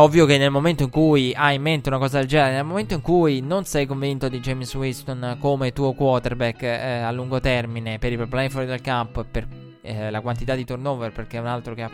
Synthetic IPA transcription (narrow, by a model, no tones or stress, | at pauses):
ɔvːjokenːelmoment̪oiŋkujajimːent̪eunakɔːzad̪eld͡ʒɛneɾenelmoment̪oiŋkujnonsɛjkoɱvint̪od̪id͡ʒɛmswist̪onkomet̪uːokwɔt̪erbɛkːalːuŋɡot̪ɛrminepeɾipɾoplɛinfɔɾd̪elkampper | lakwant̪it̪ad̪ːit̪urnoːverperk̟eunalt̪ɾokea